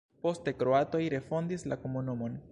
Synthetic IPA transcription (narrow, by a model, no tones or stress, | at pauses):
po̞ste̞kɾo̞ato̞jɾe̞fo̞ndislakomunumo̞n